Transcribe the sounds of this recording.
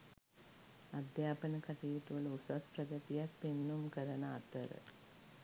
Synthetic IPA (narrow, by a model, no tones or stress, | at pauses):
ɐd̪jaːpɐnɐkɐt̪iːt̪uʋɐlusɐspɾɐɡɐt̪ijak̚penːumkɐɾɐnɐ̰ːt̪ɐɾə̰